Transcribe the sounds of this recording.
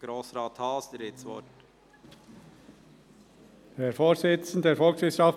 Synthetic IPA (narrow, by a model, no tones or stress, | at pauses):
ɡ̥ɾoːsɾɑːt̪hɑːsd̪əɾɪtsʋɔt | hɛfoːsɪt͡sn̩ddeːɾfɔlksvɪsɑf